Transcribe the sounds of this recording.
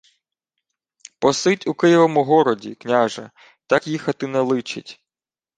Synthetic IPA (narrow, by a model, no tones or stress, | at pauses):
pɔsɪtʲukɪjɔʋɔmʊɦɔɾɔdʲiknʲaʒɐ̰ | t̪ɑkjixɐt̪ɪnɛlˠɪt͡ʃɪtʲ